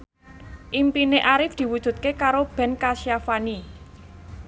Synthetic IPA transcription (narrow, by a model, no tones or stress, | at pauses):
ʔimpineʔaɾɪfd̪̥i̤wud̥ʒ̥ṳt̪̚kekaɾob̥ɛ̤nkaʃiafani